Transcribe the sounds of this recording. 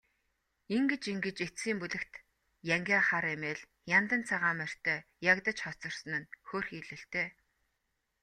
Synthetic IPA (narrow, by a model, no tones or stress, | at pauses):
eŋɡĕt͡ɕiŋɡɘ̆t͡ɕet͡st͡siːmpuɮɘ̆kt̪ | jæŋɡʲaːχaɾemeːɮ | jant̪ə̆nt͡sʰaʁaːmær̥t̪ʰœːjakt̪ə̆t͡ɕχɔt͡sɞ̆r̥sə̆nɘ̆nxoːrxiːɮɘ̆ɬt̪eː